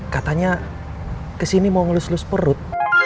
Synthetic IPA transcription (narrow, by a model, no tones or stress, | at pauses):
kat̪aɲa | kəsinimɔŋlʊslʊspəɾʊt̪̚